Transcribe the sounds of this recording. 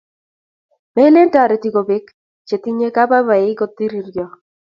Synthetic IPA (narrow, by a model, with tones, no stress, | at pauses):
me˦le˦nta˨ɾe˨t̪i˨ɡo˨be˦k | t͡ʃe˨t̪i˦ɲe˦ka˦ba˦ba˨e˨i˦ɡo˨t̪ːi˦ɾi˦rɡɔ˦